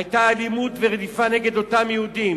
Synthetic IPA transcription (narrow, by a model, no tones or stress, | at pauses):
ajt̪aːlimut̪veʁed̪ifane̞ɡe̞d̪o̞t̪amjehud̪im